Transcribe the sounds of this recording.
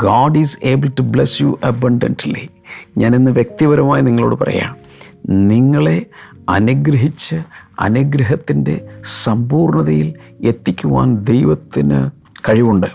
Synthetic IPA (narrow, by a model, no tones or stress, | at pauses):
ɡaːɖiːze̞ːbɨltublesjuʔɐbɐɳɖɐ̰ntlḭ | ɲaːnenːɨʋje̞k̚t̪iʋɐɾɐmaːjiniŋːɐɭo̞ːɽɨpɐ̰rɐ̰ja̰ːɳ | niŋːɐɭe̞ | ɐ̰nuɡɾɐɦit͡ɕːɨɐ̰nuɡɾɐɦɐt̪ːinde̞sɐmbuːrɳɐðɐjile̞t̪ːikʲːuʋa̰ːnd̪e̞jʋɐt̪ːinɨ̰ | kɐɻiʋuɳɖɨ